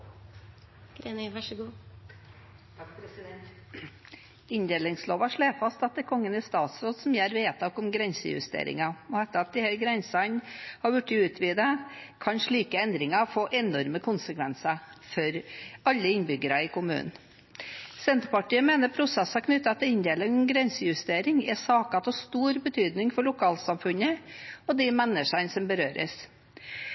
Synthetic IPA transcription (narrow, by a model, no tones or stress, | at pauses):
ɡ̥ɾenʋɑʂɡuː | pʰɾɛsɪd̪ɛn | ɪnd̪eːlɪŋsloːʋɑʂɭeːfɑst̪ɑt̪̚d̪ɛkʰɔŋːənɪst̪ɑːt̪sɾoːd̪sɔmjæːɾʋeːt̪ʰɑːkʊmɡɾɛnsəjʉ̰st̪ḛːɾɪ̰ŋɑɔɛt̪ːəɾɑt̪̚d̪ɪhɛlɡɾɛnsənhɑɾʋʉʈːɪʉːt̪ʰʋiːd̪əkʰɑnʂɭiːkəɛnd̪ɾɪŋɑfoːʔɛnɔɾməkʰʊnsəkʰʋɛnsəfɔɾɑlːəɪnbʏɡəɾɑɪkʊmʉ̰ːnn̩ | sɛnt̪ɾpɑʈiːəmeːnəɾpʰɾʊsɛsːɑkʰnʏt̪ːɑt̪ːɛɪnd̪eːlənɡɾɛnsəjʉst̪eːɾɪŋɛsɑːkɑt̪ʰɔst̪uːɾbət̪ʰyːd̪nɪŋfɔɭʊkʰɑːlsɑmfʉnəɔd̪ɪmɛnːəʂɑnsɔmbəɾøːɾə̰s